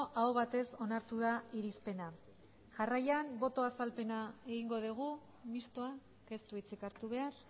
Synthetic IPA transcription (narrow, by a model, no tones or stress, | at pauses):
ʔaoβat̪e̞so̞naɾt̪uðaiɾispe̞na | ʝarajambo̞t̪o̞asalpe̞nae̞ɣ̞iŋɡo̞ðiɣ̞u | mist̪oa | ke̞st̪uit͡sikaɾt̪uβ̞e̞ar